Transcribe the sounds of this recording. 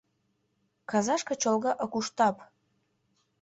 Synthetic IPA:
kɑzɑʃkɤ̆t͡ɕolɣɑʔokuʃt̪ɑp

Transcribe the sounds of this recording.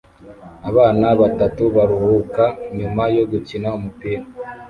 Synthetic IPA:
aβaːnaβatatuβaɾuhukaɲumajo̞ɡucinaumupiɾa

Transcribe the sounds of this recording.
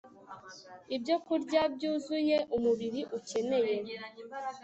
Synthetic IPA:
ibjo̞kuɾɟab̚ɟuːzuje̞ʔumuβiɾiʔuce̞ne̞je̞

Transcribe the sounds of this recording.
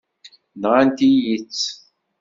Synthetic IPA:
d̪ʁant̪ijit͡sː

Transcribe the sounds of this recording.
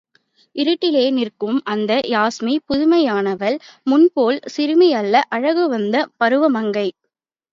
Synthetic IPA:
ɪɾɯʈːɪleːnɪrkɯmʔɐnd̪ɐjaːsmipʊðʊmɐjaːnɐʋɐlmʊnpoːlsɪɾɯmɪjɐlːɐʔɐɻɐɣɯʋɐnd̪ɐpɐɾɯʋɐmɐŋɡɐɪ

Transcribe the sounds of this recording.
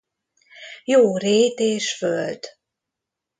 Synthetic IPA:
joːɾeːt̪eːʃfølt̪

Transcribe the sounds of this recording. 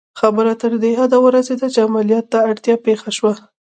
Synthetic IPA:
xabəɾat̪əɾd̪eɦad̪awəɾazed̪at͡ʃeamalijɑt̪ːaːɽt̪jɑpexaʃwa

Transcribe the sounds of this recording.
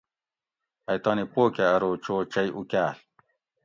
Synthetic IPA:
ɐjt̪ɑːnipoːkeɐɾoːt͡ɕoːt͡ɕɐjʔukaːl

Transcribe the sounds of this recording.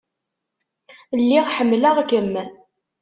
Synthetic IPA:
lːiʁħəmːləʁkəmːæ

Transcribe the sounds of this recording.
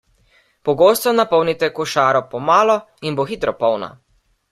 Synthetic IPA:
pɔɡoːst̪ɔnapɔwnit̪ɛkuʃaːɾɔpɔmaːlɔ | inboxit̪ɾɔpɔwna̰

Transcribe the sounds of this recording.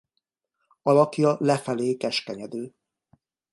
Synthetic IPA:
ɒlɒkjɒlɛfɛleːkɛʃkɛɲɛd̪øː

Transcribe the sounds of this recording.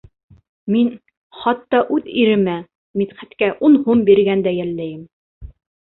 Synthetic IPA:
min | χɑt̪ːɑʔʉðiɾɘ̆mæ | mit̪χæt̪kæʔunhumbiɾɡænd̪æjælːæjɘm

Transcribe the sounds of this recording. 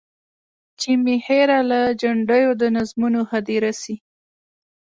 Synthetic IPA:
t͡ʃimiheɾalad͡ʒaɳɖəjod̪ənazmunohad̪iɾasi

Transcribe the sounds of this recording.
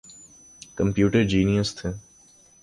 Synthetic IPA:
kəmpjuːʈəɾd͡ʒiːnijəst̪ʰeː

